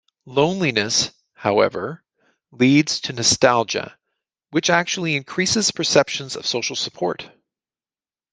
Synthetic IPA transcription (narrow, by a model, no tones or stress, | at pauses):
lõʊ̃nlinɨs | haʊɛ̰və˞ | lidz̥tʰɨnɨstælˠd͡ʒɨ̰ | wɨt͡ʃæk̚t͡ʃul̩ˠiɨ̃nkʰɹ̥isɨz̥pʰə˞sɛpʃɨ̃n̩zʌ̰v̥soʊʃl̩ˠsə̥pʰɔɹt̚